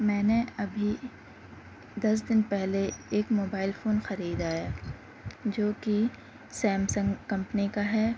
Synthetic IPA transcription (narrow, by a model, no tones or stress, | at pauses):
mɛ̃ːneɐbʱi | d̪ɐs̬d̪ɪnpɛɦleeːkmoːbaːɪlfoːnxɐɾiːd̪aːja | d͡ʒoːki | sɛ̃ːmsə̃ŋɡkɐ̃mpnikaɦɛː